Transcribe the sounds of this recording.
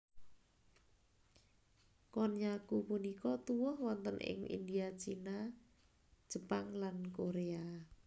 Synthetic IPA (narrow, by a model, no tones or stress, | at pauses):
kɔnjakupunikɔt̪uwʊhwɔnt̪ənʔɪ̰ŋʔḭnd̪iat͡ʃinḁ | d͡ʒʒ̥ə̤paŋlankoɾea